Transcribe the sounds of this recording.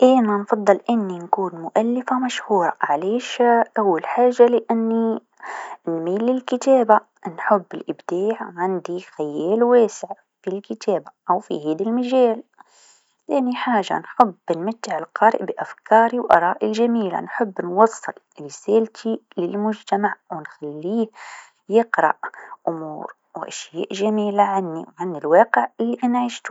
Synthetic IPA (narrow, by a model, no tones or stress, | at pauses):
ʔeːnanfɑðˤːɨlʔɪnːinkuːnmʊʔalːɪfamaʃhuːɾˤɑʕaleːʃʔawːalħaːʒːalɪʔanːi | nmiːlɪlkɪt̪aːba | nħʊbːɪlʔɪbd̪̥aːʕʕɪnd̪ixajaːlweːsɪʕ | filkɪt̪aːbaʔawfḭhaːd̪ilmaʒaːl | θeːniħaːʒa̰nħʊbːnmat̪ːɪʕɪlqɑːɾɪ̰ʔbɪʔafkɑːɾiwʔɑ̰ɾˤɑːʔɪlʒamiːla̰nħʊbːnwɑsˤːɨl | ɾɪseːlt̪ʰilɪlmʊd͡ʒt̪amaʕwɪnxalːiː | jɪqɾˤɑ̰ʔʔʊmṵːɾ | wʔaʃja̰ːʔʒamiːlaʕanːiwʕanːilwɑːqɪʕʔɪlːiʔanaʕiːʃt̪u̥